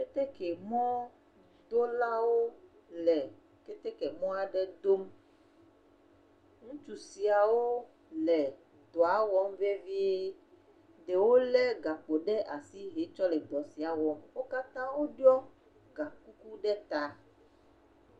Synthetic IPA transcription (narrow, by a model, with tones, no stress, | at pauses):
ke˦t̪e˦kɛ˨mɔ̃˦ | d̪o˦la˦wo˦ | lɛ˨ | ke˦t̪ɛ˦kɛ˨mɔ̃˦a˨ɖɛ˦d̪o˦m | ŋũ˦t͡ʃu˨si˨a˨wo˦ | lɛ˨ | d̪ɔ˨a˦wɔ˦m˦ve˦vi˦e˦ | ɖe˨wo˦lɛ˦ɡa˨k͡po˨ɖɛ˦ʔa˨si˦ɦe˨t͡ʃɔ˦lɛ˨d̪ɔ˨si˨a˨wɔ˨mwo˦ka˦t̪ã˦wo˦ɖɔ˦ | ɡa˨ku˦ku˦ɖɛ˦t̪a˨